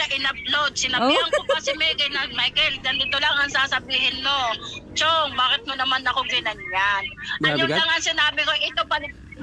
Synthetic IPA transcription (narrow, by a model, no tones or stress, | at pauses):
ɐʔɪnɐp̚lod̪̚sɪnabiːhɐŋkokɐsɛmɛɡɪnɐmajkɛlɡ̪ɐnɪt̪olaŋɐŋsaːsɐbiːɦɪnmot͡ʃoŋbaːkɪt̪̚monɐmanɐkoɡɪnɐŋjanlaŋɐŋsɪnaːbɪkoʔɛt̪opɐlɪ